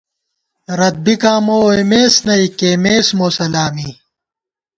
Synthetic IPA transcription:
ɾɐd̪̚bikaːmoːemeːsnɐikeːmeːsmoːsɐlaːmi

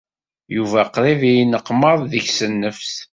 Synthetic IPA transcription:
juvæqɾiðijinəqːməðˤðəçsənːəfθ

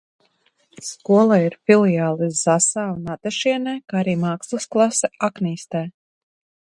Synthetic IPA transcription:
skuɔlˠaiɾfilˠijaːlˠizasaːunat̪ɛʃiɛnɛːkaaɾiːmaːkslˠusklˠasɛakniːst̪ɛː

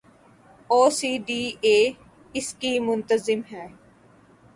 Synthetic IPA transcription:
oːsiːɖiːeː | ɪskiːmʊ̃nt̪əzɪmɦɛː

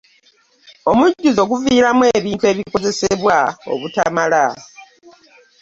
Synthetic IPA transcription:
o̞muɟːuzo̞ɡuviːɾamwe̞ːβiːntue̞ːβiko̞ze̞seβwao̞̰βutamala

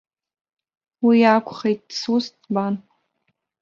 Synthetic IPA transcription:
wiakʷʰʼχejt̚ʼd̥sustban

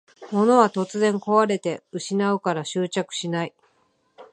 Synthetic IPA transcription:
mo̞no̞βat̪o̞t͡sɨzẽ̞ŋko̞βaɾe̞t̪e̞ɯ̟ɕinaɯ̟kaɾaɕɨːt͡ɕakɯ̟̥ɕinai

